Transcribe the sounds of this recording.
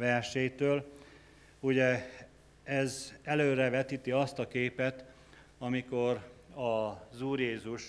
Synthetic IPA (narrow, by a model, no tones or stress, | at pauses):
vɛrʃeːjt̪øːl | uɟɛ | ɛzɛløːrɛvɛt̪iːt̪iɒst̪ɒkeːpɛt̪ | ɒmiko̞rɒzuːrjeːzuʃ